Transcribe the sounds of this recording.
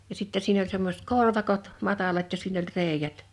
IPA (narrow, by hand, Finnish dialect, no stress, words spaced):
jɑ sitːe siːn olʲ semːosĕt korʋɑkot mɑtɑlɑt jɑ siːn olʲ reˑe̝jæt